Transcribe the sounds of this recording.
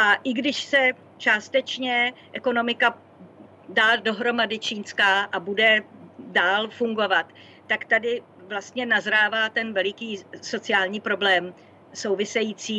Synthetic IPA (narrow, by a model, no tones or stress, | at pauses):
ʔaʔɪɡdɪʃsɛ | t͡ʃaːst̪ɛt͡ʃɲɛʔɛko̞no̞mɪka | daːdo̞ɦɾo̞madɪt͡ʃiːnskaːʔabudɛdaːlfuŋɡo̞vat̪ː | akt̪adɪ | vlast̪ɲɛnazɾaːvaːt̪ɛnvɛlɪkiːso̞t͡sɪaːlɲiːpɾo̞blɛːm | so̞wvɪsɛjiːt͡siː